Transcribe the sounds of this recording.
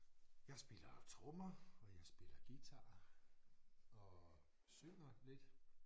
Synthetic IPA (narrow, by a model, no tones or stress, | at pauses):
jɑ̈ɪsb̥e̝lɐt͡sʰʁɔmɐɒ̽jɑ̈ɪsb̥e̝lɐɡ̥it͡sʰɑ̈ː | ɒ̽ | sønɐle̝d̥